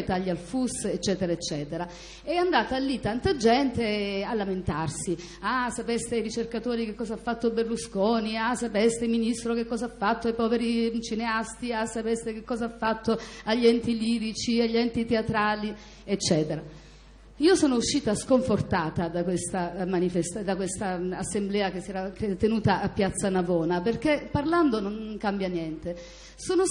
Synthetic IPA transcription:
t̪aʎːalfuset͡ʃːɛːt̪eɾaet͡ʃːɛːt̪eɾa | ɛand̪aːt̪alːit̪ːant̪ad͡ʒɛnt̪ealːament̪arsi | asapest̪eajɾit͡ʃerkat̪oːɾikekːɔːzaafːat̪ːoberluskoːniasapest̪eminist̪ɾok̟ekːɔːzaafːat̪ːoajpɔːveɾit͡ʃineast̪iasapest̪ek̟ekːɔːzaafːat̪ːoaʎːɛnt̪iliːɾit͡ʃiaʎːɛnt̪it̪eat̪ɾaːli | et͡ʃːɛːt̪eɾa | iːosoːnouʃːiːt̪askoɱfort̪aːt̪ad̪akwest̪amanifest̪ad̪akwest̪aasːemblɛːakesːiɛːɾakt̪ːenuːt̪aʔapːjat̪sːanavɔːnaperk̟epːarland̪onoŋkambjanjɛnt̪e | soːno

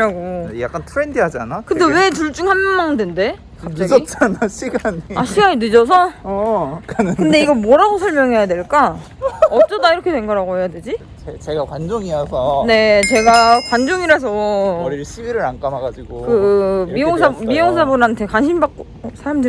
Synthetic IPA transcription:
ɾaɡoja̰k͈antʰɯɾendɯɦad͡ʑanakɯnde̞we̞t͡ɕuɭt͡ɕ͈uŋɦanmaŋdende̞ | kaap̚t͡ɕ͈aɡʌit͡ɕ͈anaɕʰiɡaɲiaɕʰiɡaɲidɯd͡ʑʌs̬ʰʌ | knɯkɯnde̞iiɡʌmwʌɾaɡosʰʌɭmjʌŋɦe̞jadwe̞ɭk͈a | ʌt͡ɕ͈ʌdaiɾʌkʰe̞dwe̞nɡaɾaɡoɦe̞jadwe̞d͡ʑi | t͡ɕe̞ɡakwand͡ʑoŋiɾasʰʌne̞t͡ɕe̞ɡakwand͡ʑoŋiɾas̬ʰʌɾiɭɕʰiiɾɯɾank͈amaɡad͡ʑiɡokɯmijoŋs̬ʰamijoŋsʰabunɦantʰe̞kanɕʰimbak̚k͈o | sʰaɾamdɯ

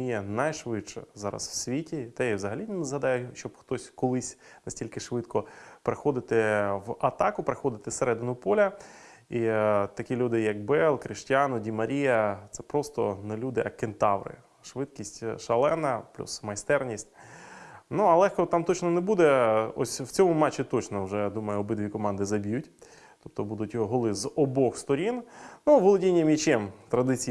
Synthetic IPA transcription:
ijɛnɐjʃʋɪt͡ʃɛ̰zɑɾɐ̰swsʲʋʲitʲit̪ɛjwzɐɦɐlʲinʲnɐzɦɐd̪ɑjɛʃt͡ʃɔbxt̪ɔsʲkɔlˠɪsʲnɐsʲtʲilʲkɪʃʋɪt̪kɔpɾexɔd̪ɪt̪ɪwɐt̪ɑkʊpɾexɔd̪ɪt̪ɪseɾɛd̪ɪnʊpɔlʲɐ | it̪ɐkʲilʲud̪ɪjɐk̚bɛlˠkɾɪʃtʲanɔdʲimɐɾʲijɐt̪sɛpɾɔst̪ɔnelʲud̪ɪʔɐkent̪ɑwɾɪ̰ | ʃʋɪd̪kʲisʲtʲʃɐlˠɛnɐplʲṵsmɐjst̪ɛrnʲisʲtʲ | nuɐlˠɛxkɔt̪ɑmt̪ɔt͡ʃnɔnebud̪ɛɔ̰sʲwt͡sʲɔmʊmɑt͡ʃːit̪ɔt͡ʃnɔwʒɛd̪umɐjʊɔbɪd̪ʋʲikɔmɑnd̪ɪzɐbʲijʊt̪ʲ | ɔp̚t̪ɔbud̪ʊtʲjɔɦɔlˠɪzɔbɔxst̪ɔɾʲinnuʋɔlˠɔdʲinʲːɐmʲit͡ʃɛmt̪ɾɐd̪ɪt͡sʲi

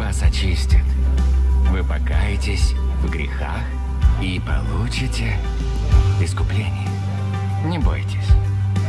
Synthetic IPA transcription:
vasɐt͡ɕisʲtʲɪt̪ | vɨpɐkajɪtʲɪsʲ | vɡɾʲɪ̰xa̰x | ipɐ̰lˠut͡ɕɪtʲɪ | ɪskʊplʲenʲɪjə | nʲɪbo̞̰jtʲɪ̥sʲ

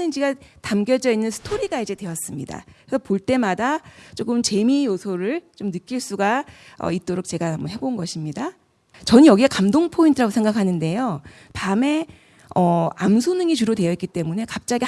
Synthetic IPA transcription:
ɯnd͡ʑiɡatamɡjʌd͡ʑʌinːɯnsʰɯ̥tʰoɾiɡaid͡ʑe̞dwe̞ʌs͈ɯmɲida̰kesʰʌpoɭt͈e̞madat͡ɕ͈ok͈ɯmt͡ɕe̞mijosʰoɾɯɭt͡ɕomnɯk͈iɭs͈uɡaʌ̰it̚t͈oɾok̚t͡ɕe̞ɡamʌɦe̞bonɡʌɕʰimɲida | t͡ɕʌnjʌɡiekamdoŋpʰointʰɯɾaɡosʰe̞ŋɡakʰanɯnde̞jo | pame̞ | ʌa̰msʰonɯŋit͡ɕuɾode̞jʌitk͈it͈e̞mune̞kap̚t͡ɕ͈aɡi

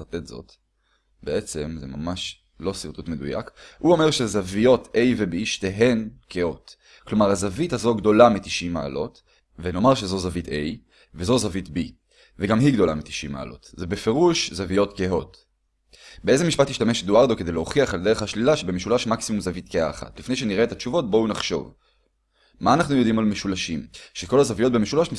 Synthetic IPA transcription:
t̪etzo̞̰t̪ | be̞et͡se̞mzḛmamaʃ | lo̞siʁt̪utmed̪ṵja̰khuo̞me̞ʁʃe̞zavijo̞t̪ʔe̞jvebiʃt̪eɦe̞nkeo̞t | klo̞maʁazavithazo̞ɡd̪o̞lamit̪iʃima̰ːlo̞t | veno̞maʁʃezo̞zavit̪e̞j | vezo̞zavitbi | veɡamɦiɡdo̞lamit̪i̥ʃima̰ːlo̞̰tzebefe̞ʁuʃzavijo̞tkeo̞t | beʔeze̞miʃpatiʃtameʃdoaʁdo̞kede̞jleho̞χiaχald̪e̞eχhaʃlilaʃebemeʃulaʃmaksimumzavitkeaːχa̰tlifne̞jʃ̬e̞niʁe̞et̪at͡ʃuvo̞t̚bo̞unaχʃo̞̰v | maːnaχnujo̞d̪imalmeʃulaʃimʃeko̞lhazavijo̞t̚be̞meʃulaʃmi

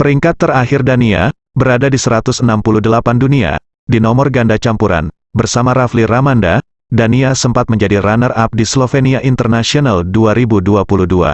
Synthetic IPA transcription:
pəɾiŋkat̪ːəraɦɪrdania̰ | bəɾadadisəɾat̪ʊsənampuluhdəlapandunia̰ | dinɔmɔrɡandat͡ʃampuɾa̰n | bərsamaɾafliramanda̰ | daniasəmpat̪̚məɲd͡ʒadiranərap̚dislofeniaʔint̪ərnasionalduaɾibuduapuluhdua̰

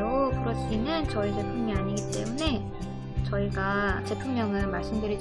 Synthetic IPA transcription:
okɯɾʌɕinɯnt͡ɕʌitepʰuŋiaɲiɡit͈e̞̰mune̞ | t͡ɕʌiɡat͡ɕe̞pʰuŋɲʌŋɯnmaɭs͈ɯmdɯɾid͡ʑ

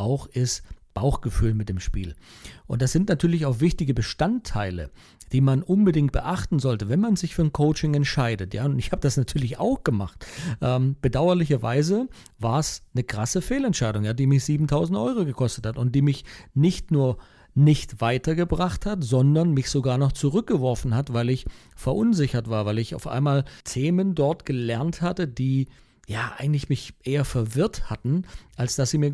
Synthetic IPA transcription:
ʔaʊxʔɪsb̥aʊxɡ̥əfyːlmɪt̚d̥eːmʃpḭːlʔʊ̰ntd̥asz̥ɪntnatʰyːɐlɪçaʊxv̥ɪçtɪɡəbəʃtantʰːaɪlə̰ | d̥iːmanʔʊnbədɪŋt̚b̥ə̰ʔaχtn̩zɔltəvɛnmanzɪçfyːɐnkʰoʊt͡ʃɪŋɛntʃaɪdətja̰ːʊntɪçhaːbəd̥asnatʰyːɐlɪça̰ʊxɡ̥əma̰χtʔɛːmb̥ədaʊɐlɪçɐva̰ɪzə | vaːɐsnəkʁ̥asəfeːlɛntʃaɪdʊŋjaːdiːmɪçz̥iːbm̩tʰaʊzn̩tʔɔ̰ʏʁoɡəkʰɔstə̥thatʊnt̚d̥iːmɪçnɪçtnuːɐ | nɪçtv̥aɪtɐɡəbʁaχthatz̥ɔndɐnmɪçz̥oɡaːɐnɔχt͡suʁʏk̚ɡ̥əvɔɐfn̩hatvaɪlɪçfɛɐʔʊnzɪçɐtv̥aːɐvaɪlɪça̰ʊfʔa̰ɪnmaːltʰeːməndɔɐtɡ̥əlɛɐnthatədiː | jaːʔa̰ɪɡŋ̩tlɪçmɪçʔeːɐfɛɐvɪɐthatn̩ʔalsd̥asz̥iːmiːɐ

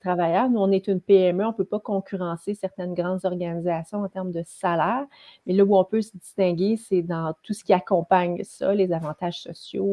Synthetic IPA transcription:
t̪ʁavajœːʁnuɔ̃nɛt̪ynpeɛmøɔ̃pøpɔkɔ̃kʲyʁɑ̃sesɛʁt̪ɛnɡʁɑ̃d̪zɔʁɡanizasjɔ̃ɑ̃t̪ɛʁmd̪əsalɛːʁ | mɛlʌuɔ̃pøsəd̪ist̪ɛ̃ɡʲesɛd̪ɑ̃t̪usə̥kʲiakɔ̃paɲsʌ̰lezavɑ̃t̪aːʒ̥sɔsjo

